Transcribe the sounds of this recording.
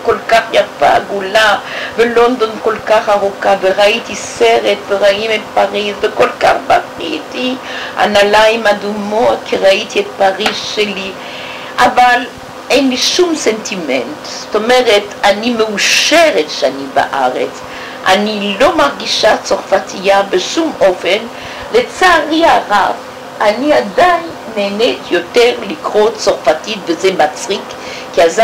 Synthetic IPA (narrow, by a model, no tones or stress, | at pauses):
kɔlkaχjaʁfa̰ɡulavelɔnd̪ɔnkɔlkaχaʁukaveʁait̪isɛʁɛt̪veʁaimɛt̪̚paʁisvekɔlka̰χbaʁit̪i | a̰nalajmad̪umokʰiʁait̪ʰiɛt̪̚paʁizʃeli | ʔaval | ɛjnliʃumsɛntʰimɛ̰ntz̥tomɛʁetanimeuʃɛʁetʃaniba̰ʔa̰ʁḛt͡s | ʔa̰nilomaʁɡiʃat͡soʁfatʰijabeʃumofen | let͡saːʁiaʁav | aniadajnneːnɛtʰjotɛʁlikʁot͡soʁfatitvezemat͡sʁik | kiaza